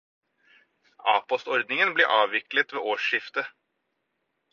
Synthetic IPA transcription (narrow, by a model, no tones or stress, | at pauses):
ʔɑ̰ːpɔst̪ɔɾd̪nɪŋənblḭːʔɑːʋʋɪklət̪ʋḛːʔoːʂɪft̪ə